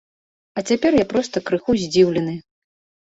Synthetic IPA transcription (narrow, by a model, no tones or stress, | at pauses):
ɐt͡sʲapʲɛrjapɾɔst̪ɐkɾɨxuzʲd͡zʲiwlʲɛnɨ